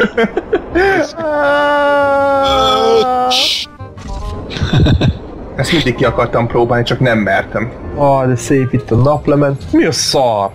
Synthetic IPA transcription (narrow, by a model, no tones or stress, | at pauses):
ɛst̪mind̪ik̚kːiɒkɒrt̪ɒmpɾoːbaːlnit͡ʃɒknɛmːɛrt̪ɛmɒd̪ɛseːpit̪ːɒnɒplɛmɛnt̪miɒsɒːr